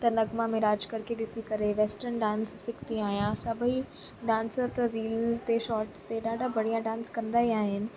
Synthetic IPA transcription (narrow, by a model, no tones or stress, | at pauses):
t̪ɐnɐɡmamẽɾaːd͡ʒkɐɾkʰeɗɪsikɐɾeʋeːsʈənɖãːnsːɪkʰt̪iaːɦijãsɐbʱi | ɖãːnsəɾt̪ɐɾiːlt̪eʃɔːɾʈst̪eɗaːɖʱabɐɽijãɖãːnskɐ̃nd̪aːɦiaːɦɪnɪ̆